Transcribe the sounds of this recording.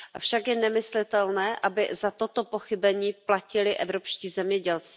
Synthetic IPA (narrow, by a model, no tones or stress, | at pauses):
ʔafʃakjɛnɛmɪslɪt̪ɛlnɛːʔabɪ̰zat̪o̞t̪o̞po̞xɪbɛɲiːplacɪlɪʔɛvɾo̞pʃciːzɛmɲɛɟɛlt͡sɪ̥